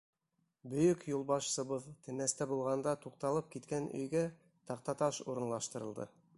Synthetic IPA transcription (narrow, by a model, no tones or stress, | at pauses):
bɵ̆jɵkjulˠbɑʃsɤ̆βɤðt̪ʰɘ̆næst̪æbulˠʁɑnd̪ɑt̪uq̚t̪ɑlˠɤp̚kit̪kænɵ̰jɡæ | t̪ɑq̚t̪ɑt̪ɑʃuɾɤ̆nlˠɑʃt̪ɤ̆ɾɤ̆lˠd̪ɤ̰